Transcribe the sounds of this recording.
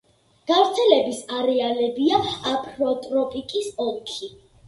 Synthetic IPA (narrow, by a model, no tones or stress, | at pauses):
ɡ̥avɾt̪sʰɛlɛbisaɾɛalɛbiaapʼʰɾɔt̪ʼɾɔpʼikʼisɔlˠkʰi